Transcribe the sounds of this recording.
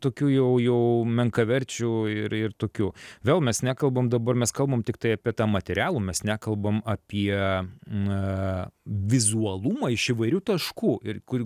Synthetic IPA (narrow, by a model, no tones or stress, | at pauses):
t̪oːkʲuːjɛʊjɛʊmʲɛŋkɐʋʲɛɾʲt͡ʃʲuːɪɾɪrt̪oːkʲuːʋʲeːlˠmʲɛsnʲæːkɐlˠbɐmd̪ɐbɐɾmʲɛskɐlˠbɐmt̪ʲɪk̚t̪ɐɪɐpʲiɛt̪ɑːmɐt̪ʲɛɾʲæːlˠuːmʲɛsnʲæːkɐlˠbɐmɐpʲiɛ | ʋʲɪzuɐlˠumɐɪʃɪʋɐɪɾʲuːt̪ɐʃkuːɪɾkʊ